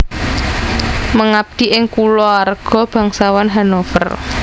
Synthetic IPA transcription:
məŋab̚d̪̥i̤ʔɪŋkulɔarɡ̥ɔ̤b̥ä̤ŋsawanɦanofə̰r

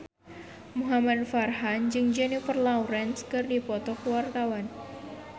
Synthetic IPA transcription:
muɦamadfarɦand͡ʒɨŋd͡ʒɛnifərlawɾɛnskɨrdipɔt̪ɔkəwart̪awan

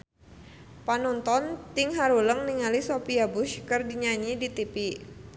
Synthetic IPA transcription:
panɔnt̪ɔnt̪ɪŋɦaɾuləŋniŋalisopiabuʃkərdiɲaɲidit̪ipi

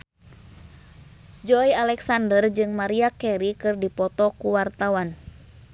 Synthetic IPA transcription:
d͡ʒɔialɛksandərd͡ʒɨŋmaɾiakɛɾikɨrdipɔt̪ɔkuwart̪awan

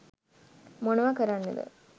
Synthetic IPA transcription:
monɐʋakəɾanːə̰d̪ə̰

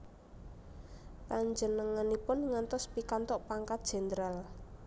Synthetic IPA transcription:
kaɲd͡ʒənəŋanipʊnŋant̪ɔspikant̪ɔʔpaŋkat̪̚dʒ̥e̤nd̪əɾal

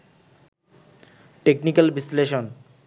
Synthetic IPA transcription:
ʈeknikalbisleʃon

